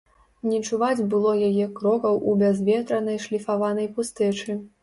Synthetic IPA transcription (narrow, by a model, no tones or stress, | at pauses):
nʲɛt͡ʂuvad͡zʲbɨlˠɔjajɛkɾɔkɐwʔubʲazvʲɛt̪ɾɐnɐjʂlʲifavanɐjpust̪ɛt͡ʂɨ